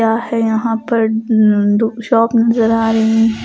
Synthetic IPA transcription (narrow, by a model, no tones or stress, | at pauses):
aːɦɛjɐɦãːpɐɾ | ʃɔːpnɐzəɾaːɾɐɦĩ